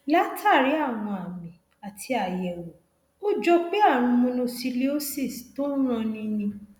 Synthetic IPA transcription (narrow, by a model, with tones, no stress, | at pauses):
la˦tʰa˦˨ɾi˨˦a˦˨w̃ɔ̃˧a˨mĩ˨ | a˨tʰi˧a˨jɛ˨wo˨ | o˦d͡ʒɔ˦k͡pe˦a˦˨ɾ̃ũ˧mũ˧nõ˧si˧le˦o˦se˦˨sto˦n̩˦ɾ̃ã˧nĩ˧nĩ˧